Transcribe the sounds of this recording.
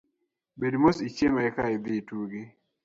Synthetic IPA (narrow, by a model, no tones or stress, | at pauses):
bedmosit͡ʃemaɛkaɪd̪ɪtuɡi